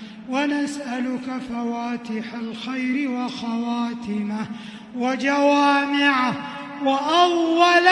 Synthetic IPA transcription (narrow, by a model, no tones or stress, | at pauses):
wanasʔalʊkafawaːt̪ɪħalxajɾɪwaxawaːt̪ɪma | wad͡ʒawaːmɪʕa | waʔawːal